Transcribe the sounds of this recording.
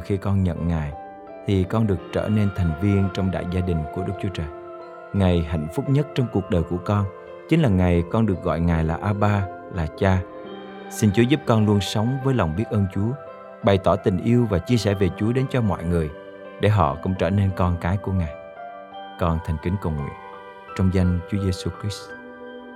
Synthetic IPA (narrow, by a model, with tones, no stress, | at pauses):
xi˧kɔ˧nɲə̰˧˨nŋaː˨˩j | t̪ʰi˨˩kɔ˧nɗɨ˨˩ək̚t͡ɕə̰ː˧˩ne˧nt̪ʰa˨˩jŋ̟vi˧ənt͡ɕɔ˧wŋ͡mɗa̰ː˧˨jzaː˧ɗï˨˩ŋ̟ku˧˩əɗɨ˦˥k̚t͡ɕu˨˦ət͡ɕəː˨˩j | ŋa˨˩jɦa̰˧˨jŋ̟fʊ˦˥k͡p̚ɲə˦˥t̚t͡ɕɔ˧wŋ͡mku˨˩ək̚ɗəː˨˩jku˧˩əkɔ˧n | t͡ɕï˨˦ŋ̟laː˨˩ŋa˨˩jkɔ˧nɗɨ˨˩ək̚ɣɔ̰˧˨jŋaː˨˩jlaː˨˩ʔaː˧ɓaː˧ | laː˨˩t͡ɕaː˧ | sï˧nt͡ɕu˨˦zu˦˥p̚kɔ˧nlu˧ənsə˨˦wŋ͡mvəː˨˦jla˨˩wŋ͡mɓi˦˥ət̚ʔəː˧nt͡ɕu˨˦ə | ɓa˨˩jt̪ɔ˧˩t̪ï˨˩ŋ̟ʔi˧əwvaː˨˩t͡ɕi˧əsɛ̰˧˩ve˨˩t͡ɕu˨˦əɗe˨˦nt͡ɕɔ˧mɔ̰˧˨jŋɨ˨˩əj | ɗe˧˩ɦɔ̰˧˨kʊ̰˧˥ŋ͡mt͡ɕəː˧˩ne˧nkɔ˧nkaː˨˦jku˧˩əŋaː˨˩j | kɔ˧nt̪ʰa˨˩jŋ̟kï˨˦ŋ̟kə˨˩wŋwḭ˧˨ən | t͡ɕɔ˧wŋ͡mza˧jŋt͡ɕu˨˦əze˧su˧kɹi˦˥s